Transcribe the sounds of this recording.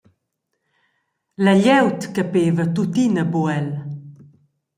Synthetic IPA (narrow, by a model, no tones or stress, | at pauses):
lɐʎɛwt̪kəpeːvət̪ut̪inəbuɛl